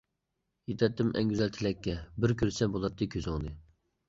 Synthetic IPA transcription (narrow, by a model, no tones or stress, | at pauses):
jet̪ʰɛt̪ːɪmʔɛ̰ŋɡʲyzɛlt̪ʰɪlɛkʲːɛbɪɾkʲyɾsɛbolˠɑt̪ʰːɨkʲʰøzɨŋd̪ɨ